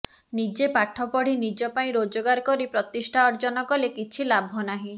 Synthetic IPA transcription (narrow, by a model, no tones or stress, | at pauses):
nid͡ʒepaʈʰɔpɔɽ̤inid͡ʒɔpaĩɾod͡ʒɔɡaɾkɔɾipɾɔt̪isʈʰaɔɾd͡ʒɔnɔkɔlekit͡ʃʰilabʱɔnaɦĩ